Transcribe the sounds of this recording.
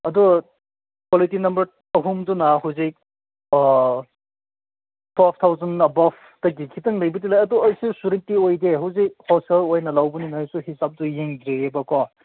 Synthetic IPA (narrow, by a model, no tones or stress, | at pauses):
ɐdɔ | kwɔlitinɐmbɐɾ | ɐɦumdunɐɦawzik̚ | pʰap̚ʰtʰawzɐnɐbapʰ | tɐɡikʰitɐŋlɐjbɐtilajɐdɔːjsisuɾitiojdeɦuwzik̚hɔsɐlojnɐlawbuninajsuhisap̚dujeŋdɾeebɐkɔ